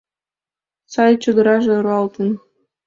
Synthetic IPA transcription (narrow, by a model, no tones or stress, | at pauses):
sɑjt͡ɕə̆d̪ə̆ɾɑʒĕɾɑlt̪ən